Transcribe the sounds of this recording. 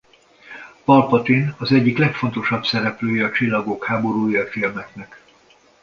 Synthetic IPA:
pɒlpɒt̪inɒzɛɟːiklɛkfo̞nt̪o̞ʃɒbsɛɾɛpløːjɛɒt͡ʃilːɒɡoːkhaːbo̞ɾuːjɒfilmɛknɛk

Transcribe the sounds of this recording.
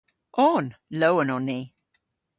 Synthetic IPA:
ʔɔnlowənɔnːiː

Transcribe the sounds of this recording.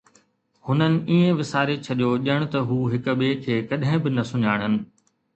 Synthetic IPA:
hʊnənɪ̆iːẽʋɪsaːɾet͡ɕʰɐɗjoːʄəɽ̃t̪ɐɦuːɦɪkɓeːkʰeːkɐɗɦɪ̃bɪnɐsʊɲaːɽ̃ɦənɪ̆

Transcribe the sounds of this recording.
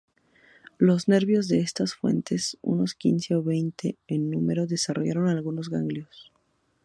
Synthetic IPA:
lo̞zne̞ɾβjo̞zðe̞est̪asfwe̞̰nt̪e̞sṵno̞skḭnse̞oβe̞jnt̪ʰe̞ːnːume̞ɾo̞ðe̞sarʔo̞̰ʝaɾo̞nalɣunozɣaŋɡljo̞s

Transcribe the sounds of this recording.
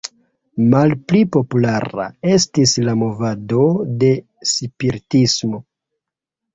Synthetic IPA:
malplipo̞pulaɾa̰e̞stislamo̞vado̞de̞ | sipiɾitismo

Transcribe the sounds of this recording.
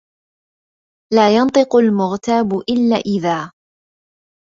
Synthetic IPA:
laːjɑnt̪ˤɨqʊlmʊɣt̪aːbʊʔɪlːa̰ːʔɪðaː

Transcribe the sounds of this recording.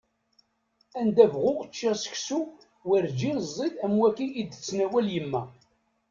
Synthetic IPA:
ænd̪ævʁʊʁət͡ʃːæsə̥çsu | wəɾd͡ʒinəzˤːid̪æmwækiʔːd̪ət͡sːnæwæljəmːæ

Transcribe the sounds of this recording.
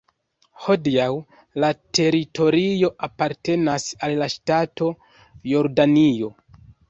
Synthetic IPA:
ho̞diaw | late̞ɾito̞ɾio̞ʔapaɾte̞nasalːaʃtato̞ | jo̞ɾdanio̞

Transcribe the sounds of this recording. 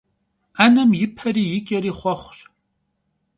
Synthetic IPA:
anɐmjɪpʰɐriːjɪkʲʼɐɾiːχʷɔχʷɕʼ

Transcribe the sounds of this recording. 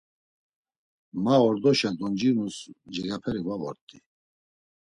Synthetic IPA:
maɔɾd̪ɔʃad̪ɔnd͡ʒiɾnusd͡ʒɛɡapʰɛɾivavɔɾt̪ʼi

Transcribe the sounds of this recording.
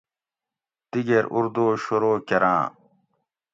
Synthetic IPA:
d̪̥iɡeɾʔṵɾd̪oːɕoɾoːkɐɾʔã̰ː

